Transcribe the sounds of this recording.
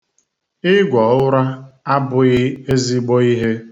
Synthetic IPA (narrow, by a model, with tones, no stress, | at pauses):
ɪ˦ɡʷɔ˨ʊ˦ɾa˦a˦bʊ˦ɣɪ˦e˦zi˦ɡ͡bo˦i˦ɦe˦